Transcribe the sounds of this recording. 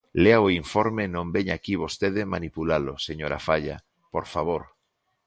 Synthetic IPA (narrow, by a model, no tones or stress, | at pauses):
leaoiɱfoɾmenõmbeɲakiβ̞ost̪eðemanipulaloseɲoɾa̰faʎa | poɾfaβ̞oɾ